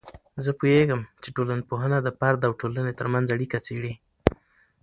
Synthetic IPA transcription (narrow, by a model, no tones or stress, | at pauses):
zəpujeɡəmt͡ʃeʈolanpoɦənad̪əpaɾd̪awʈolənet̪əɾmanzaɽikat͡seɽi